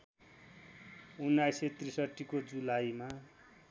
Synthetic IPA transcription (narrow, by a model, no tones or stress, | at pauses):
unːajset̪risʌʈːikod͡zulajma